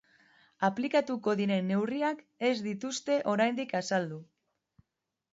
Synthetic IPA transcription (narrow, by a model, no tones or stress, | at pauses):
aplikat̪uko̞ðiɾe̞nːe̞wriak | e̞zd̪it̪ust̪e̞ʔo̞ɾajnd̪ikasald̪u